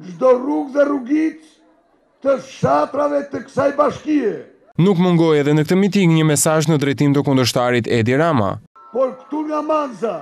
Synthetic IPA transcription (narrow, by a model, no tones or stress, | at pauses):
d͡ʒd̪ɔruɡðɛruɡit̪ | t̪əʃat̪ɾavɛt̪əksajbaʃkiɛ | nukməŋɡɔjɛðɛnək̚t̪əmit̪̬iɡɲəmɛsaʒnəd̪ɾɛjt̪imt̪əkund̪əʃt̪aɾit̪ɛd̪iɾama̰ | pɔɾkt̪uŋamanza